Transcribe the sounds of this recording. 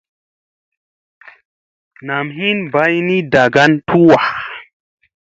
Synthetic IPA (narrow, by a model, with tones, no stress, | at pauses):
na˨mɦi˦nba˦jni˦da˨ɡa˦ntʰu˦wa˨